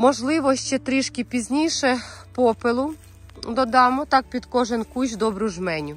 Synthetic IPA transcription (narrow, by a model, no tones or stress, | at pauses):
mɔʒlˠɪʋɔʃt͡ʃɛt̪ɾɪʃkʲɪpʲizʲnʲijʃɛpɔpɪlˠʊ | d̪ɔd̪ɑmʊt̪ɑk̚pʲid̪kɔʒɪnkuʒʲd̪ɔbɾʊʒmɛnʲʊ